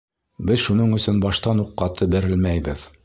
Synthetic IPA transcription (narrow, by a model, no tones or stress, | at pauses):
bɘðʃunɤɴɵ̆sɵnbɑʃt̪ɑnuqːɑt̪ʰɤbɘ̆ɾɘ̆lmæjbɘð